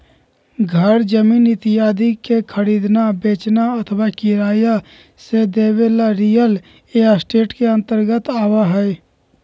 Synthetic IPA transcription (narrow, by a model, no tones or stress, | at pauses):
ɡʱəɾd͡ʒəmiːnɪt̪ɪjaːd̪ikekʰəɾiːd̪nabeːt͡ʃnaət̪ʰəwakɪɾaːja | sed̪eːʋeːlaɾijəl | eːasʈeːʈkeə̃nt̪əɾɡət̪aːwaɦɛ